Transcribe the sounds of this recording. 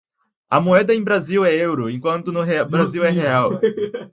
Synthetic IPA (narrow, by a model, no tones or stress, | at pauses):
ɐmoɛd̪ɐẽj̃bɾaziwɛewɾʊẽkwɐ̃nt̪ʊnʊɦebɾaziwɛɦeaw